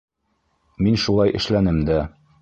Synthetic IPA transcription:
minʃulˠɑjʔɘ̰̆ʃlænɘmd̪æ

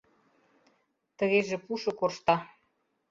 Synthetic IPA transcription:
t̪ə̆ɣeʒĕpuʃɤ̆korʃt̪ɑ

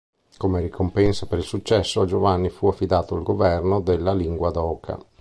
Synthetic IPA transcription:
komeɾikompɛnsapeɾilsut͡ʃːɛsːoad͡ʒovanːifuafːid̪aːt̪oalɡovɛrnod̪elːaliŋɡwad̪ɔːkʰa̰

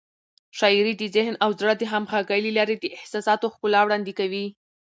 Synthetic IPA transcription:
ʃɑiɾid̪əzɪhnawzɽəd̪eɦamxaɡajlilɑɾed̪əʔɪhsɑsɑt̪oxpʊlɑwɽɑnd̪ikawi

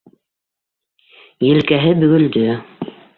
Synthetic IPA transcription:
jɘ̆lkæɦɘbɵ̆ɡɵ̆ld̪ɵ

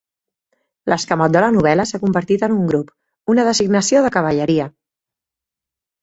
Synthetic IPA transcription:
ləskəmɔt̪̚d̪ələnuβ̞ɛləsakumbəɾt̪it̪ənuŋɡɾup | unəðəziɡnəsioðəkəβ̞əʎəɾiə

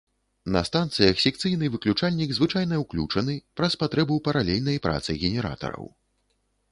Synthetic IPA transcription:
nɐ̰st̪ant̪sɨjɐxsʲɛk̚t̪sɨjnɨvɨklʲut͡ʂalʲnʲiɡzvɨt͡ʂajnɐwklʲut͡ʂɐnɨpɾɐspat̪ɾɛbɐwpɐɾalʲɛlʲnɐjpɾʔa̰t̪sɨɣʲɛnʲɛɾa̰t̪ɐ̰ɾɐ̰w

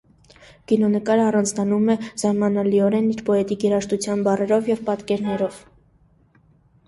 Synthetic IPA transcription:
kinɔnəkɑɾəɑrɑnt͡sʰnɑnumɛz̥ɑɾmɑnɑliɔɾɛniɾpɔɛt̪iɡjɛɾɑʃt̪ut͡sʰjɑnbɑrɛɾɔvjɛvpɑt̪kɛɾnɛɾɔv

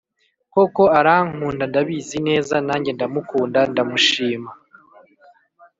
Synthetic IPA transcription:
ko̞ko̞aɾaŋ̥huːndandaβiːzine̞ːzanaːɲɟe̞ndamukuːndandamuʃiːma

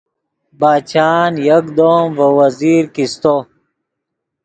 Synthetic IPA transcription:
baːt͡ɕaːnjɐkd̪omvɐwɐziːɾkist̪o

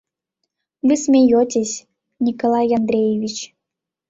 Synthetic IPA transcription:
vɨsʲmʲejotʲeɕʲ | nʲikolˠɑjɑnd̪ɾʲejevʲit͡ɕ

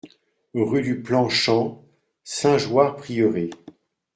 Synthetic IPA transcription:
ʁyd̪yplɑ̃ʃɑ̃ | sɛ̃ʒwaʁpχijəʁe

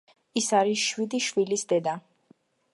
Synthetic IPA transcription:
isaɾisʃwid̪iʃwilisd̪ɛd̪a

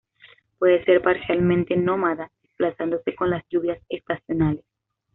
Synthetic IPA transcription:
pwe̞ðese̞ɾpaɾsjalmẽnt̪eno̞maðaðesplasand̪o̞se̞ko̞nlasʝuβjasest̪asjo̞nales

